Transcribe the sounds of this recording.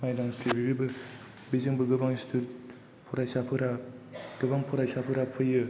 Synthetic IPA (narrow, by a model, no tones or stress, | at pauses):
majdaŋsibiɡibɯ | bizɯŋbɯɡɯbaŋistʰuɾ | pʰɔɾajsapʰɯɾaɡ̥ɯbaŋpʰɔɾajsapʰɯɾapʰɯjɯ